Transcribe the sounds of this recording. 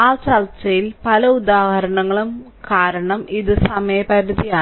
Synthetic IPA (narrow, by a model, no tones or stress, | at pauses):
aːt͡ɕɐlt͡ɕːɐjilpɐlɐud̪aːhɐɾɐɳɐŋːɐɭum | kaːɾɐɳɐmiðɨsɐmɐjɐpɐɾuðijaː